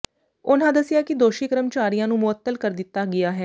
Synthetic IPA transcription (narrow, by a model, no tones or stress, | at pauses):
ʊn̤ãːd̪əsɪjaːkɪd̪oːʃiːkəɾəmt͡ʃaːɾijãːnũːmʊət̪ːəlkəɾd̪ɪt̪ːaːɡɪjaːɦɛː